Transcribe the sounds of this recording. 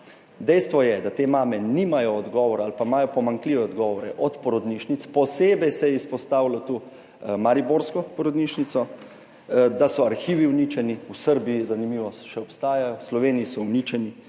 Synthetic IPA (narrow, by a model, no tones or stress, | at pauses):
d̪ɛjst̪ʋɔjɛd̪at̪eːmaːmɛnimajɔːd̪ɡɔʋɔɾalpamaːjɔpɔmaŋkliːʋɛɔd̪ɡɔːʋɔɾɛʔɔt̪pɔɾɔd̪niʃnit̪spɔseːbɛjsɛjɛispɔst̪aːwlat̪u | maɾiboɾskɔpɔɾɔd̪niʃnit̪sɔ | d̪asɔaɾxiːʋiwnit͡ʃɛniusəɾbiizanimiːʋɔsʃɛɔpst̪aːjajɔslɔʋeːnijisɔwnit͡ʃɛni